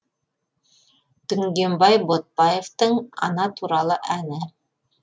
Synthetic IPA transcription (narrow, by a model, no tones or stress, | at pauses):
d̪̥ɵŋɡembɑjbot̪̚bɑjeft̪ɤɴɑ̰nɑt̪uɾɑlˠɤʔænɘ